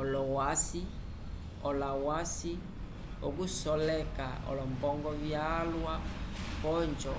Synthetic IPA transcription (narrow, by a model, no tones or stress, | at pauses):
ɔlɔwasi | ɔlawasi | o̰kusɔlɛka̰ɔ̰lɔmbɔŋɡɔβjalwapɔɲd͡ʒɔ